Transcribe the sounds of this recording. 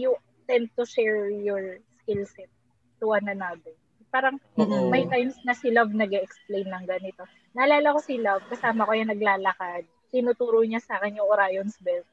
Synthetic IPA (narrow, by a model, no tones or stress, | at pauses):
jʊ | t̪ɛnd̪̚t̪ʊʃɛɹjɔɹskɪlsɪt̪̚ | t̪ʊʔɐnɐnabɛ | paːɾɐŋmɐjt̪ajmsnɐsɪlɐvnɐɡɛʔɛksplejnlɐŋɡɐnɪt̪o̞ | nɐʔɐlaːlɐko̞sɪlɐvkɐsaːmɐkojanɐɡlaːlɐkad̪̚t̪ɪnut̪uːɾoɲasaːkɛnjʊŋɾaːjonsbɛlt̪̚